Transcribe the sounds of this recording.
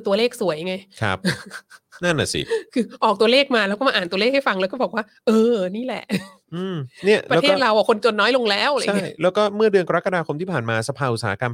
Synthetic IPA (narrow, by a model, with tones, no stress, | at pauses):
t̪u˧ɐleː˥˩k̚su˨˩˦əja˧ŋa˧jkʰa̰˦˥p̚ | na˥˩nʔa̰˨˩sḭ˨˩kʰɯː˧ʔɔː˨˩k̚t̪u˧ɐleː˥˩k̚maː˧lɛ˦˥kɔː˥˩ma˧ʔːnt̪u˧ɐleː˥˩k̚ha˥˩fa˧ŋlɛː˦˥wkɔː˥˩bɔː˨˩k̚waː˥˩ʔɤː˧niː˥˩lɛ̰˨˩ʔ | ʔɯː˧mni˥˩ɐlpaː˧˦˥t̪ɾa˧wʔa˨˩kʰo˧nt͡ɕo˧nːɔː˦˥jlo˧ŋlɛː˦˥˩wʔt͡ɕʰa˥ŋi˥˩jlɛː˦˥wkɔː˥˩mɯ˥˩ɐdɯ˧ənka˧ɾa˦˥kːa˧daː˧kʰo˧mt̪ʰiː˥˩pʰaː˨˩nmaː˧sa˧pʰaː˧ʔu˨˩saː˩˦a˦ka˧m